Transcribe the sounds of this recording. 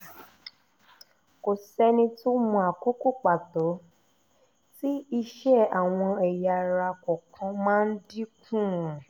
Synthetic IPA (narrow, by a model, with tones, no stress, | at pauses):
ko˨sɛ˧nĩ˧tu˦mũ˧a˨ko˦ko˦˨k͡pa˨to˨˦ | ti˦i˧ʃɛ˦a˨w̃ɔ̃˧ɛ˨ja˧ɾa˧kɔ˨kʰã˧mãː˦n̩˦di˦kʰũ˦˨